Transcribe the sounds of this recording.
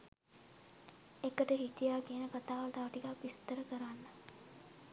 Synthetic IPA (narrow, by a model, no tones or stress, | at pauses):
ekəʈəɦiʈ̪ijaːkiənəkat̪aːʋəlt̪aʋəʈikakʋist̪əɾəkəɾanːə